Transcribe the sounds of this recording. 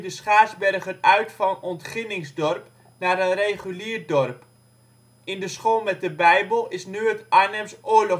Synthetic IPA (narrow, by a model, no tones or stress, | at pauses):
dəsχaːsbɛrɣərœɥtfɑnɔntχɪnɪŋzdɔrp | naɾənrejχyliːərdɔrp | ɪndəsχoːlˠmɛt̚dəbɛjbəlˠɪsnyətʔaːnɛmsoːəlɔ